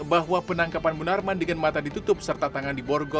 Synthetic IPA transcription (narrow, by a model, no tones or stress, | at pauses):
baɦwapənaŋkapanbənarmandəŋanmat̪adit̪ut̪ʊp̚sərt̪at̪aŋandibɔrɡɔ